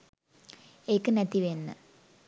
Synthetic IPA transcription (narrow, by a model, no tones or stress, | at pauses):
ejkːɨnet̪ːiʋenːɨ̰